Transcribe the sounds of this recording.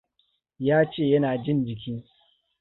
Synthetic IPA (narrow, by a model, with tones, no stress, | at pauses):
jaː˦t͡ʃeː˦˨jɐ˦naː˨d͡ʒɪ˦nd͡ʒɪ˨kʲiː˦